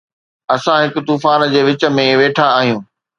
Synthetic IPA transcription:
ɐsãɦɪkʊ̆t̪uːfaːnd͡ʑeːʋɪt͡ɕə̆mẽʋeːʈʰaːɦijũː

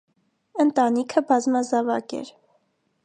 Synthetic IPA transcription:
ənt̪ɑnikʰəbɑzmɑzɑvɑkɛ̰ɾ

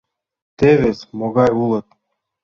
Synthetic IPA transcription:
t̪evesmoɣɑjulˠɤ̆t̪

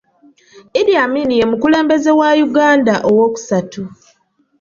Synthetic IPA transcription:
iɾiaminije̞mukule̞ːmbe̞ze̞wajuɡaːndaʔowoːku̥satu

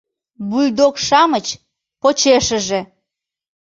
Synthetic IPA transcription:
buld̪okʃɑmət͡ɕ | pot͡ɕeʃəʒe

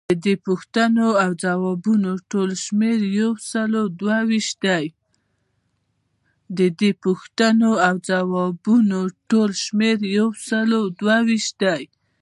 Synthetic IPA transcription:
d̪əd̪epuxt̪anoawd͡zawɑbunoʈolʃmeɾjawsəlod̪wawiʃ̚d̪aj | d̪əd̪epuxt̪anoawd͡zawɑbunoʈolʃmeɾjawsəlod̪wawiʃ̚d̪aj

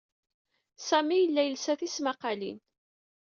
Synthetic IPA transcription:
sæmijəlːæjəlsæθismaqːalḭn

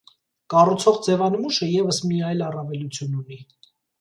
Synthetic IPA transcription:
kɑrut͡sʰɔʁd͡zɛvɑnəmuʃəjɛvəsmiɑjlɑrɑvɛlut͡sʰjununi

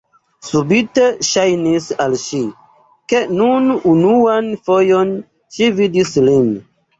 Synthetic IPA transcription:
subite̞ʃajnisalʃi | ke̞nununuanfo̞jon | ʃividislin

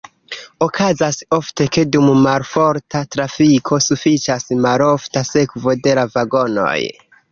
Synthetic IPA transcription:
o̞kʰazaso̞fte̞ke̞dumːaɾfo̞ɾtatɾafikʰo̞sufit͡ʃasmaɾo̞ftase̞kvo̞de̞lavaɡono̞̰j

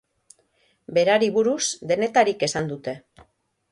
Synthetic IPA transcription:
be̞ɾaɾiβuɾusd̪e̞ne̞t̪aɾike̞sand̪ut̪e̞

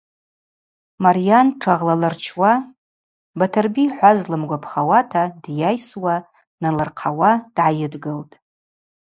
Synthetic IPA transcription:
maɾijanʈ͡ʂʰaʁlalɨrt͡ʃʰwa | batʰarbiħʷazlɨmɡʷapʰχawatʰad̥jajswa | nalɨrqʰawad̥ʕajɪdɡɨltʼ

